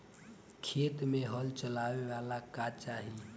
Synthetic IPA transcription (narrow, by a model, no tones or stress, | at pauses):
kʰet̪meɦəlt͡ʃəlaʋeʋalakat͡ʃaɦi